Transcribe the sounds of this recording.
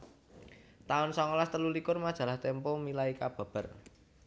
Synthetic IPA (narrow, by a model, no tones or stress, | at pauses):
t̪aʊnsɔŋɔlast̪əlulikʊrmad̥ʒ̥ä̤laht̪ɛmpɔmilaikab̥ä̤b̥ə̤r